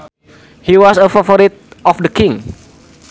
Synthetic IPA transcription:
hiwɔsəfafɔɾit̪̚ɔfdəkɪ̃ŋ

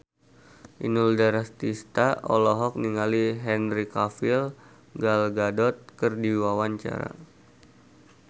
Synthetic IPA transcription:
ʔḭnuldaɾast̪ist̪aɔlɔɦɔk̚niŋaliɦɛnɾikafil | ɡalɡadɔt̪̚kərdiwawaɲt͡ʃa̰ɾa̰

